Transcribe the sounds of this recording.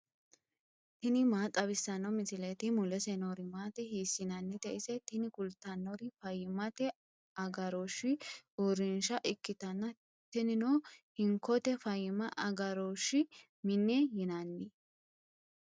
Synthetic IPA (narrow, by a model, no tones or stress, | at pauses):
t̪ɪnɪmaːt̪ʼːɐβɪsːɐnːɐmɪsɪlet̪ɪmʊlɛsɛnoɾɪmaːt̪ɛhiːsːɪnɐnːɪt̪ɛʔɪsɛt̪ɪnɪkʊlt̪ːɐnːoɾɪfɐjɪmɐt̪ɛ | ɐɡɐɾoʃɪʊɾɪnʃɐʔɪkːɪt̪ɐnːɐ | t̪ɪnɪnoːhɪŋkːɔt̪ɛfɐjɪmɐʔɐɡɐɾoʃːɪ | mɪnːejɪnɐnːɪ